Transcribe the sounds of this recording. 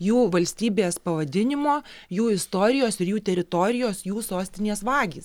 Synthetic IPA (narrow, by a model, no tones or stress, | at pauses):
juːʋɐlʲsʲt̪ʲiːbʲeːspɐʋɐd̪ʲɪnʲɪmoːjuːɪst̪oːɾʲɪjoːsɪɾjuːt̪ʲɛɾʲɪt̪oːɾʲɪjoːsjuːsoːsʲt̪ʲɪnʲeːsʋɑːɡʲiːs